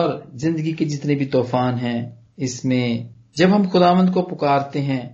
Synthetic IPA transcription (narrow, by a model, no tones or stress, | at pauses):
ɔːɾzɪ̃nd̪əɡiked͡ʒɪt̪nebʱit̪ɔːfaːnɦɛ̃ː | ɪsmẽ | d͡ʒɐbɦɐmxʊd̪aːʋə̃nd̪̚kopʊkaːɾt̪eɦɛ̃ː